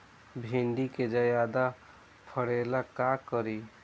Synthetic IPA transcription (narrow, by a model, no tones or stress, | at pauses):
bʱeɳɖiked͡ʒəjad̪a | pʰəɽelakakəɾi